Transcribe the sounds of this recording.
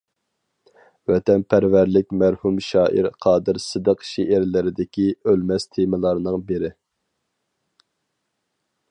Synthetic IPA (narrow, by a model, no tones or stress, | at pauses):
wɛt̪ʰɛnpʰæɾvæɾlɪkʲmæɾhumʃɑːʔiɾqʰɑːd̪ɨɾsɨd̪əqʃeʔæɾlɪɾɪd̪ɪkʲiølmɛst̪ʰemɪlˠɑɾnɨŋbɪɾɪ